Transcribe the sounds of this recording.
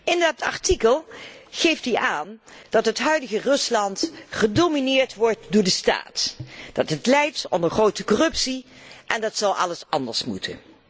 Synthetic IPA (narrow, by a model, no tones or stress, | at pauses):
ɪndɑtɑ̰ɹtikəlˠχejftdiʔaːnd̥ɑtɦətɦœɥdəɣərɵslɑntχədominɪːɹtʋɔɹtdʊːɹdəsta̰ːtd̥ɑtətlɛjtɔ̰ndəɹχrowtəkɔrɵpsiʔɛndɑtsɑlˠɑləsɑ̰ndəɹsmṵtʰə̰n